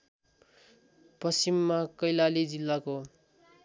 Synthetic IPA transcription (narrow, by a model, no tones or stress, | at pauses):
pʌsimːakʌjlalid͡zilːako